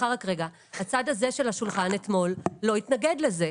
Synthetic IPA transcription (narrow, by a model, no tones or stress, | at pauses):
aʁakʁeɡa | hat͡sad̪aze̞ʃe̞lhaʃulχanet̪mo̞lːo̞it̪naɡe̞d̪leze̞